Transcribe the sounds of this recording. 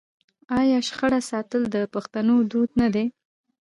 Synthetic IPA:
ɑjɑʃxaɽasɑt̪əld̪əpaxt̪anod̪ud̪nad̪e

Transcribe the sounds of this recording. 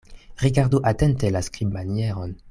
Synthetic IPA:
ʁiɡaʁduʔatentelaskɾibmanjeʁon

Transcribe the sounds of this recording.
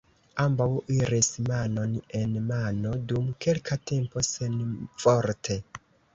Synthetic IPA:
ambawiɾismano̞nenmano̞dumkelkʰate̞mpo̞senfoɾtʰe̞

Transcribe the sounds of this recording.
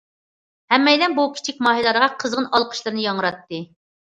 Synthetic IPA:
hɛmːɛjlɛnbukʲʰi̥t͡ʃʰik̚ʲmɑːɦilˠɑɾəʁɑqʰəzʁənɑlˠqʰə̥ʃlˠɨɾnɨjɑŋəɾɑt̪ːɨ

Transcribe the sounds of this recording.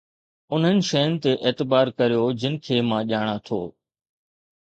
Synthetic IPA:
ʊn̤ɦənɪ̆ʃɐjʊnɪ̆t̪eʔeːt̪ɪbaːɾkɐɾijod͡ʑɪnɪ̆kʰeːmãːʄaːɽ̃at̪ʰo̰ː

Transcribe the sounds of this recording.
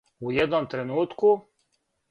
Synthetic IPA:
ujed̪nomt̪ɾenuːt̪ku

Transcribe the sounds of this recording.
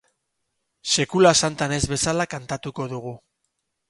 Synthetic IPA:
sekulasant̪ane̞zβe̞salakant̪at̪uko̞ðuɣu

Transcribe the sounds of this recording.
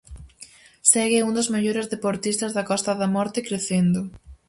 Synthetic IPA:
sɛɣɪund̪ʊzmeʎoɾɪzðepoɾt̪ist̪ɐzðɐkɔst̪ɐðɐmɔɾt̪ɪkɾeθend̪ʊ

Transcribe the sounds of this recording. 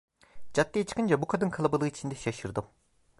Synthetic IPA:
d͡ʒat̪ːijet͡ʃʰɯ̥kʰɯnd͡ʒabukʰad̪ɯnkʰalˠabalˠɯːit͡ʃʰind̪ɛʃaʃɯɾd̪ɯm

